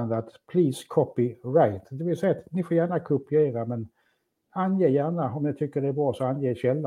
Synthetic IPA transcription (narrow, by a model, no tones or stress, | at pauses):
nd̪at̪pʰliːskʰɔpɪɾaɪt̪d̪ɛvɪlsɛjːat̪nɪfoːɾjæːɳakʰʊpɪeːɾamɛn | anjeːjæːɳaɔmnɪt̪ʰʏkːəɖɛæbɾɑːsɔanjeːɕɛlːa